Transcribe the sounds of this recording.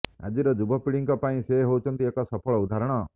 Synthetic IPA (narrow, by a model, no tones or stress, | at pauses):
a̰d͡ʒiɾɔd͡ʒubʱɔpiɭiŋkɔpaĩseɦout͡ʃʰɔnt̪iekɔsɔpʰɔɭɔud̪ʱaɾɔɽ̃ɔ